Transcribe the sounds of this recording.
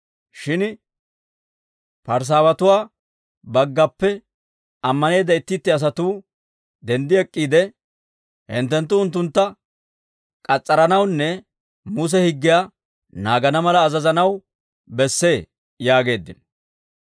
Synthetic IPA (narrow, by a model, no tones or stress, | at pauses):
ʃɪn | pɐɾs̬aːwɐt̪ʊwaː | bɐɡːɐpːɛ | ɐmːɐne̞ːd̪ɐɪt̪ːɪt̪ːɪɐs̬ɐt̪uː | d̪ɛnd̪ɪɛkʼːiːd̪ɛ | hɪ̰nt̪ːɛnt̪ːʊːnt̪̬ːʊnt̪ːɐ | kʼɐt͡sʼːɐɾɐnɐwnːɛ | mʊs̬ɛhɪɡːɪjaː | naːɡɐnɐmɐlɐːzɐzɐnɐw | bɛsːe̞ː | jaːɡe̞ːd̪ːɪ̰n